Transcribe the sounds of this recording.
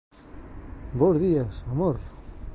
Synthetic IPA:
bowzðiasamoɾ

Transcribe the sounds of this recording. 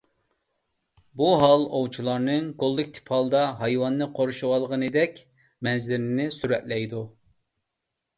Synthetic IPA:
buɦɑlˠowt͡ʃʰilˠɑɾnɨŋɡolˠːɨkʲt̪ʰɪ̥pʰɑlˠɨd̪ɑɦɑjwɑnːɨqʰoɾuʃuʁɑlˠʁənɨd̪ɛkʲ | mɛnzɪɾɪnɪsyɾɛt̪lɛjd̪u

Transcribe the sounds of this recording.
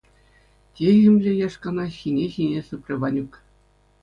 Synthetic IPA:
tʲejʲɘ̆mʲlʲĕjɑʂkɑnɑɕʲinʲeɕinʲesɯpʲrʲɘ̆ʋɑnʲuk

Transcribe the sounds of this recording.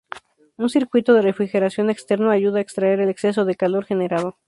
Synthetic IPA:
unsiɾkwit̪oð̞e̞refɾixe̞ɾasjo̞ne̞kst̪e̞ɾnoaʝuðaekst̪ɾae̞ɾe̞le̞kse̞s̬o̞ðe̞kalo̞ɾxe̞ne̞ɾað̞o̞

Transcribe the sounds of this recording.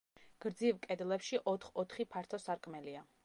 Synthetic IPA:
ɡ̥ɾd̪zivkʼɛd̪lɛpʃiʔɔt̪ʰχɔt̪ʰχipʰaɾt̪ʰɔsaɾkʼmɛlia

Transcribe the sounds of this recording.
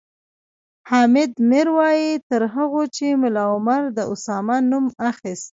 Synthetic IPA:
hɑmɪd̪mɪɾwɑjit̪əɾɦaɣot͡ʃemʊlɑʊmaɾd̪əʔʊsɑmanumaxist̪̚

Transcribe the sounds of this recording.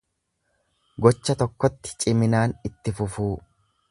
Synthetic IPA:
ɡɔt͡ʃːɐt̪ɔkːɔt̪ːɪ̥t͡ʃʼɪmɪnaːnɪt̪ːɪfʊfuː

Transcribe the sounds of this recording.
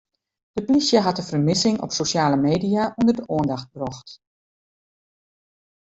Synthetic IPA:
d̥əplisjəɦɑtəfərmɪsɪŋɔ̰psosjaːləmeːdijaʔundərdəʔoəndɑxt̚brɔxt

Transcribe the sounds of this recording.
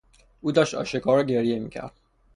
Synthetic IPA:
ʔuːd̪ɒːʃt̪ɒ̰ːʃekʰɒːɾɒːɟeɾijemḭːcʰæ̰ɾd̪̥̚

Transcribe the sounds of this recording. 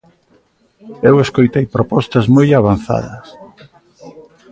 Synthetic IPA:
eweskojt̪ejpɾopɔst̪ɐzmojaβ̞an̟θa̰ðɐs

